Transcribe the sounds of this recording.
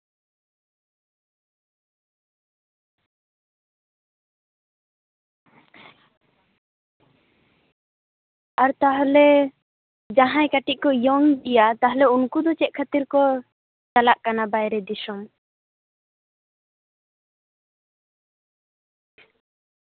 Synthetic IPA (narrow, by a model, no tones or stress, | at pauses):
aɾt̪aɦlɛ | d͡ʒaɦãjkaʈiʔ̚kɔjɔŋdijat̪aɦlɛunkud̪ɔt͡ʃɛʔ̪̚kʰat̪iɾkɔ | t͡ʃalaʔkanabajɾɛd̪isɔm